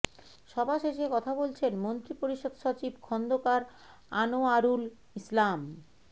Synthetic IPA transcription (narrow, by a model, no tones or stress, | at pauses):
ʃɔbʱaʃeʃekɔt̪ʰabolt͡ɕʰenmont̪ɾipoɾiʃod̪ʃot͡ɕibkʰɔnd̪okaɾ | anoaɾul | islam